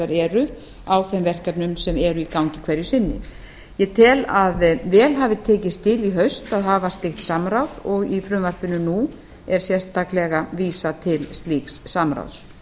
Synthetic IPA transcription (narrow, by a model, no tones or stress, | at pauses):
aɾɛɾʏ | awθɛmvɛr̥kat̪nʏmsɛmɛɾʏikawɲcɪkʰvɛɾjʏsɪnːɪ̰ | jɛt̪ʰɪlaðvɛːlɦaːvɪt̪ʰɛːcɪst̪ʰɪliɦœɥst̪aðɦaːvast̪ɪxht̪samɾawðɔɣifɾʏmvar̥pɪnːʏnu | ɛɾ̥sjɛrst̪aklɛɣaviːsat̪ʰɪlst̪liːksːamɾa̰wðs